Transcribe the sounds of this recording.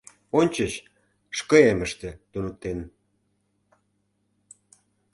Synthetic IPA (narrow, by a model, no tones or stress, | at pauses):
onʲt͡ɕə̆ɕ | ʃkɤ̆eməʃt̪ĕt̪unut̪ːen